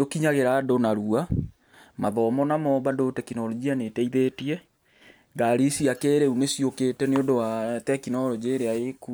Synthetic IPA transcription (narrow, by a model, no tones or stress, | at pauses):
okiɲaɣeɾadonaɾua | maðɔmɔnamɔβadotɛkinɔɾɔd͡ʒianetɛiðetiɛ | ɡaɾisiakeɾeunesioketɛneondowatɛkinɔɾɔd͡ʑeɾeaeku